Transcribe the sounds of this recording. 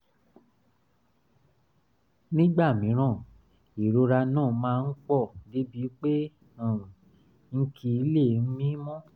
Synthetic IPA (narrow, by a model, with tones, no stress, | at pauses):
nĩ˦ɡ͡ba˦˨mĩ˨˦ɾ̃ã˦˨ | i˨ɾo˧ɾa˧nãː˦˨mãː˧n̩˦k͡pɔ˦˨di˨˦bi˨˦k͡pe˦ | ã˨ | ŋ̩˦kʰi˧˦le˦˨n̩˦mĩ˦mɔ̃˦